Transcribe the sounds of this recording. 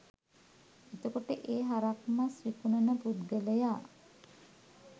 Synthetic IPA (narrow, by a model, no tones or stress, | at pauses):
it̪əkoʈəʔeːɦaɾakmasɾikunənəpud̪ɡeləjaː